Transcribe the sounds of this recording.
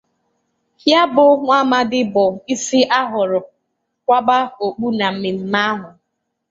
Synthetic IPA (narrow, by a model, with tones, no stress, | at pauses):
hja˦bʊ˨ŋʷa˦ma˦dɪ˦bɔ˨i˦si˦ʔa˦ɦʊ˨ɾʊ˨ | kʷa˦ba˦o˨k͡pu˦na˨m̩˨mɪ˨m̩˨ma˦ɦʊ˨